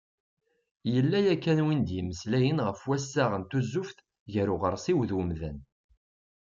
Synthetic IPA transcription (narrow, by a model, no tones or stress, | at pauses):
jəlːæjækːænwind̪jəməslæjənʁəfwæsːaʁənt̪uzːʊfθ | ʝəɾʊʁəɾˤsiwðwəmðæ̰n